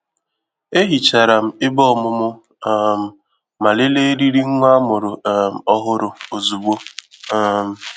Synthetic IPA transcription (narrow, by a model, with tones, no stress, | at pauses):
e˦ɦi˨t͡ʃa˨ɾa˨m̩˦ɪ˦bɔ˦˨mʊ˦mʊ˦ | m̩˨ | ma˨le˦le˦ɾi˦ɾi˦ŋ̩˦ŋʷ˦a˦mʊ˨ɾʊ˨m̩˨ɔ˦ɦʊ˦ɾʊ˨o˨zu˨bo˦ | m̩˨